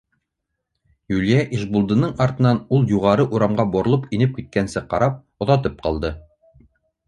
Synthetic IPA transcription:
jʉlʲjæʔiʃbulˠd̪ɤ̆nɤɴɑɾt̪ɤ̆nɑnulˠjuʁɑɾɤʔuɾɑmʁɑboɾolˠɤpinɘp̚kit̪̚kænsɘqɑ̰ɾɑp̚ | ŏðɑt̪̬ɤp̚qɑ̰lˠd̪ɤ

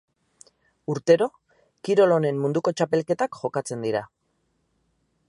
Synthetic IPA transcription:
uɾt̪e̞ɾo̞ | kiɾo̞lo̞ne̞mmund̪uko̞t͡ʃape̞lke̞t̪akʝo̞kat͡se̞nd̪iɾa

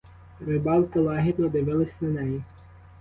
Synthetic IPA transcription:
ɾɪbɑlˠkɪlˠɑɦʲɪd̪nɔd̪ɪʋɪlˠɪsʲnɐnɛji

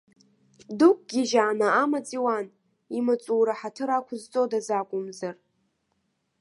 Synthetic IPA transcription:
dukʷʼɡ̥ʲiʒaːnaamat͡sʼiwan | imat͡sʼuːɾaħatʰɨɾakʷʰʊzt͡sʼodazakʷʼʊmzar

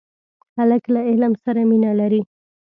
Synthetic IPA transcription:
haləklaɪlmsaɾaminalaɾi

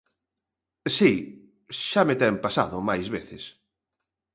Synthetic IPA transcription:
si | ʃamet̪ɛmpasa̰ðʊmajzβeθes

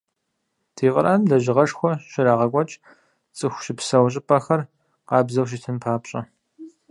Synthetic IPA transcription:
tʰiːqʼə̰ɾaːnɮɐʑɪʁɐʂxʷɔɕɪɾaːʁɐkʷʼɔt͡ʃʼ | t͡sʼɨxʷʃɪpsɐwɕ̬ʼɪpʰʼɐxɐr | qɑːbzɐwʃ̬itʰɨmpʰaːpɕʼɐ

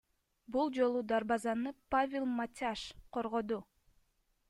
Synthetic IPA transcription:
bulˠd͡ʒo̞lˠud̪aɾbɑzɑnɯpavʲɪlˠmatʲaʃqʰo̞ɾʁo̞d̪u

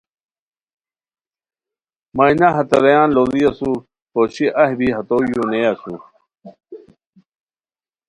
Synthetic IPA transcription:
mɐjnɐɦɐt̪ɐɾɐjãːnlolijɐsu | poɕiʔɐɦbiɦɐt̪oːjunejasu

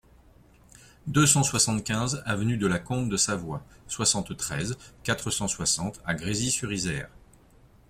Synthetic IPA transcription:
d̪øsɑ̃swasɑ̃t̪kʲɛ̃zavnyd̪əlakɔ̃bd̪əsavwaswasɑ̃t̪t̪χɛzkat̪χəsɑ̃swasɑ̃t̪aɡʁezisyʁizɛːʁ

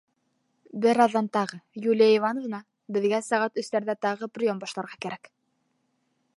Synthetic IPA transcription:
bɘɾɑðːɑnt̪ɑʁɤjulʲijaivɑnovɤ̆nɑ | bɘ̆ðɡæsæʁɑt̪ɵ̆st̪æɾðæt̪ɑʁɤprʲɪjombɑʃlˠɑɾʁɑkæɾæk

